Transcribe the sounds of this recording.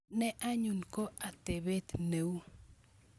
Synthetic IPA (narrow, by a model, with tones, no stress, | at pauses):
nɛ˦ʔa˦ɲu˨nko˦a˨t̪e˨be˦t̪ne˨w